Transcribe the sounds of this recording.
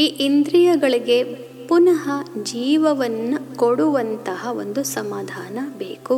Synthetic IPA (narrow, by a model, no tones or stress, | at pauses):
iːʔind̪ɾijɐɡɐɭiɡe̞ | punɐɦɐd͡ʒiːʋɐʋɐnːɐkoɽuʋɐnt̪ɐɦɐond̪usɐmaːd̪ʱaːnɐbḛːku